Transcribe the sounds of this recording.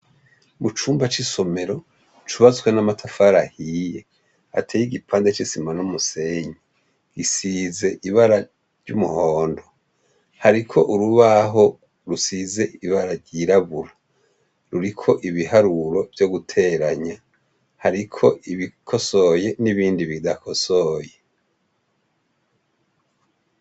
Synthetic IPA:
mut͡ʃuːmbat͡ʃiso̞me̞ɾo̞ | t͡ʃuβazɡwenamatʰafaɾahije̞ | a̰tʰeːjiɡipʰaːndet͡ʃisimanumuseɲe | isize̞ʔiβaɾa | ɾɟumuhoːndo̞ | haɾikʰo̞ʔuɾuβaɦo̞ | ɾusize̞iβaɾaɾɟiɾaβuɾa | ɾuɾikʰo̞ʔiβihaɾuɾo̞v̥joɡutʰe̞ɾaɲa | haɾikʰo̞ʔiβikʰoso̞je̞niβiːndiβidakʰo̞so̞je

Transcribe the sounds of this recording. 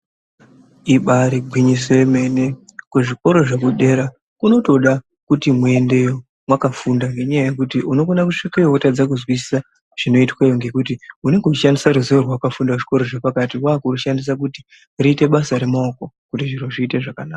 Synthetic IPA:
iɓaɾiɡʱwiɲiseme̞ːne̞ | kuʐiko̞ɾo̞ʐekuɗe̞ɾa | kuno̞to̞ɗa | kutimue̞nde̞jo | mwakafundaŋɡe̞ɲajaje̞kutiʔuno̞konakuʂikejokotad͡zak̬uzwis̬i̥sa | ʐ̥ino̞itwajoŋɡe̞kutiune̞ŋɡeut͡ʃiʃandisaɾuzoorwaukafundaʐiko̞ɾo̞ʐepakatikwaːkuruʃandis̬ak̬uti | riːte̞ɓasaɾe̞maoko̞ | kutiʐiɾoʐiːte̞ʐakanaːka

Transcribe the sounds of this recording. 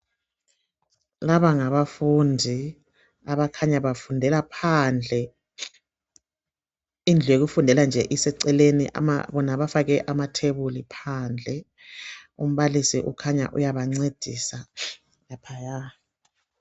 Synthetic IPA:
laβaŋaβafundʱi | aβakʰaɲaβafundʱɛlapʰand͡ɮʱɛ | ind͡ɮʱeɣ̬ufundʱɛland͡ʒʱɛʔisɛǀɛleniʔa̰ma̰βɔnaβafaɣɛʔamatʰeβulipʰand͡ɮʱɛ | um̩βalisiʔukʰaɲa̰ʔujaβaŋ͡ǀed̥ʱisa | japʰaja

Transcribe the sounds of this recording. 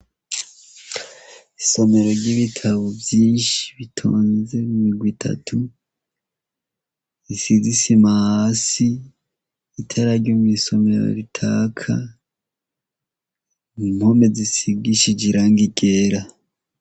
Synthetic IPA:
iso̞me̞ɾo̞ɾɟiβitʰaβovjiːnʃi̥βitʰo̰ːnze̞mumiɡwitʰa̰tʰu | isizisimahaːsiː | tʰaɾaɾɟomwiso̞me̞ɾo̰ɾitʰakʰa | mumho̞me̞zisiɡiʃid͡ʒiɾaːŋɡiɡeɾa

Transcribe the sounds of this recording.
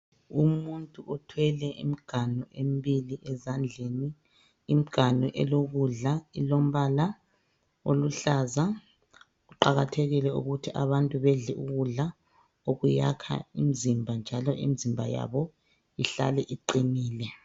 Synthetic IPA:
umuntʼuʔɔtʰwɛlɛʔimiɡ̥ʱanuʔem̩biliʔɛzand͡ɮʱeniː | m̩ɡ̥ʱanɔʔɛloɣuɮailom̩βala | o̰luɬaːza | uǃaɣatʰeɣilɛṵɣutʰiʔaβantʼuβɛɮɛʔuɣuɮa | oɣujakʰa̰imizimbʱand͡ʒʱalɔʔḭmizimbʱaja̰βɔ | iɬa̰lɛʔiǃiniːlɛ

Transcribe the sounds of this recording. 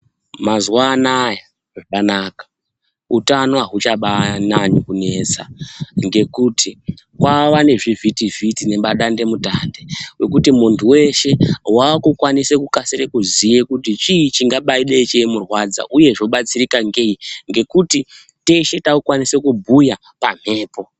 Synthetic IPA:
mazwanaja | ʐakanakḁ | utano̞aɦut͡ʃaɓanaɲikune̞ːt͡sa̰ŋɡe̞kutʰi | kwaʋane̞ʐivitivitine̞ɓaɗande̞mutaːndewe̞kutimuntuwe̞ʃe̞wakukwanisekukasirekuzijekutit͡ʃiit͡ʃiŋɡaɓaiɗeit͡ʃeimurwad͡za̰ʔuje̞ʐo̞ɓat͡sirikaŋɡe̞iŋɡe̞kuti | te̞ʃe̞taukwanise̞kubʱuja | pam̤e̞ːpo̞

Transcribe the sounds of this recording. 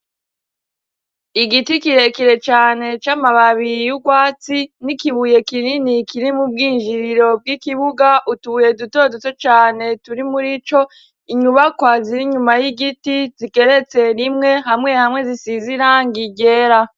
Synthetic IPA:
iɡitikiɾe̞kiɾe̞t͡ʃaːne̞t͡ʃamaβaβijuɡwaːt͡sinikiβuje̞kininikʰiɾimub̚ɡiːnʒiɾiɾo̞b̚ɡikiβuɡaʔutuβuje̞duto̞dot͡set͡ʃaːne̞tuɾimuɾit͡ʃo̞ | iɲuβakwaziɾiɲumajiɡitizike̞ɾe̞t͡se̞ɾimŋe̞ɦamŋe̞hamŋe̞zisiziɾaŋɡiɟe̞ːɾa

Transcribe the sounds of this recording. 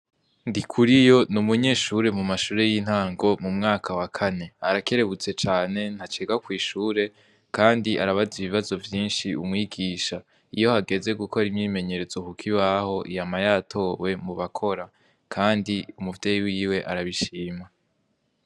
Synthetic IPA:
ndikʰuɾijo̞numuɲe̞ːʃuɾe̞mumaʃuːɾe̞jin̥haːŋɡo̞mumŋaːkʰawakʰane̞aɾake̞ɾe̞βut͡se̞t͡ʃaːne̞n̥hat͡ʃeːɡakwiːʃuːɾe̞ | kaːndiʔaɾaβaziβiβazo̞vjiːnʃiumŋiːɡiːʃa | ijo̞haɡe̞ze̞ɡukʰo̞ɾimɲiːme̞ɲe̞ɾe̞zo̞kukʰiβaho̞ʔijamajaːtʰo̞ːwe̞muβakʰo̞ɾa | kʰaːndiumuvdejiwiwe̞ʔaɾaβiʃiːma

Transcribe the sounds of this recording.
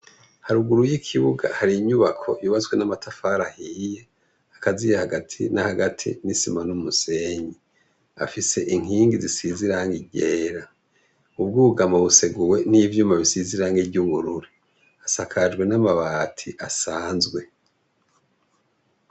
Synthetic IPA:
haɾuɡuɾujikʰiβuɡa̰haɾiɲuβakʰo̞̰juβazɡwenamatʰafaːɾahije | akazijahaɡatʰḭnahaɡatʰḭnisimanumuse̞ːɲi | a̰fise̞ʔiŋ̥iːŋɡizisiziɾaŋɡiɟeːɾa | ub̚ɡuːuɡamaβuse̞ɡuwe̞nivjuːmaβisiziɾaŋɡivɟuβuɾuɾi | asakʰad͡ʒɡwe̞namaβaːtʰiʔasaːnzɡwe̞

